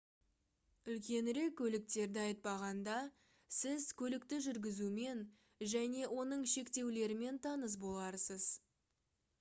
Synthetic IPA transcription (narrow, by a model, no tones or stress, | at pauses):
ʏlkʲe̞nɾe̞kʲʰːɵlɪk̚t̪e̞ɾd̪ɪɑjət̪̚pɑʁɑnd̪ɑ | sɪzkʲʰɵlɪk̚t̪ɪʒʏɾɡʲɪzume̞n | ʒæne̞wʔo̞nəɴʃe̞kt̪e̞wle̞ɾɪme̞nt̪ʰɑnəs̬bo̞lˠɑɾsəz̥